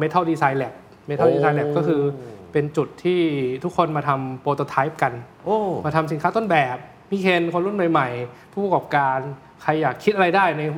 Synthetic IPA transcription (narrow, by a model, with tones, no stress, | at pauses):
me˧˥t̪ʰa˥˩diː˧saː˧jlɛ˨˩p̚ | me˦˥t̪ʰa˥˩diː˧˩˧saː˧jlɛ˨˩p̚kɔː˥˩kʰɯː˧pe˧nt͡ɕu˨˩t̪ʰːiː˥˩t̪ʰu˦˥kʰːo˧nmaː˧t̪ʰa˧mpoː˧t̪o˧t̪ʰa˦˥jp̚ka˧n | ʔoː˧˩maː˧t̪ʰa˧msi˨˩˦nʰkaː˥˩t̪o˥˩nbɛː˨˩p̚ | miː˧˩kʰe˧nkʰo˧nɾu˥˩˨nma˨˩jma˨˩jpʰuː˥˩p̚a˧kɔː˨˩p̚kaː˧n | kʰa˧jːaː˨˩kʰːi˦˥t̪̚ʔa˧ɾa˧jdaː˥˩jna˧